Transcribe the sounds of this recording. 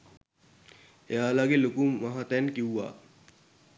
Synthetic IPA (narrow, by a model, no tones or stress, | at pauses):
ejaːlaɡelokumaɦat̪ɛnkiwʋa̰ː